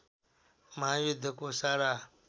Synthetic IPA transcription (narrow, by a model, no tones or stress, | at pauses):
mãːjid̪ʱəkoːsaːɾaː